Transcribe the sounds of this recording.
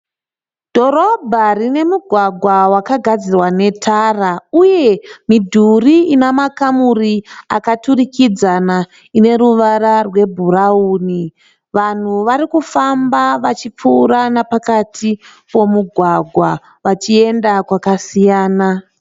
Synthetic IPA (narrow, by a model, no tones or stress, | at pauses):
d̥ʱo̞ɾo̞bʱarine̞muɡʱwaɡʱwawakaɡʱad͡zirwane̞tʰarauje̞midʱuriinamakamuriakaturikid͡zana | ine̞ɾuʋaɾarwe̞bʱurauːni | ʋan̤uʋaɾikufambaʋat͡ʃip͡fuɾanapakatʰipo̞muɡʱwaɡʱwa | ʋat͡ʃie̞ndakwakasijaːna